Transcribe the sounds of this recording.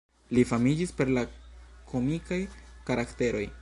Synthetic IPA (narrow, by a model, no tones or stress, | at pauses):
lifamid͡ʒispe̞ɾlakʰo̞mikajkaɾakte̞ɾo̞j